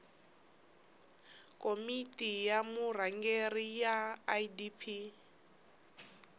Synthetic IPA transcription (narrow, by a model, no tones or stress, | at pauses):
kʼomitʼijamur̤aŋɡerijadipʰi